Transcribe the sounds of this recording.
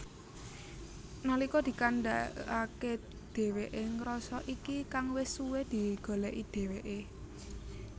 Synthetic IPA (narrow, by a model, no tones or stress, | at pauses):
nalikɔd̪̥i̤kanɖaake | d̪̥e̤weʔeŋɾɔsɔʔikikaŋwɪsuwed̪̥i̤ɡ̥o̤lɛʔid̪̥e̤weʔe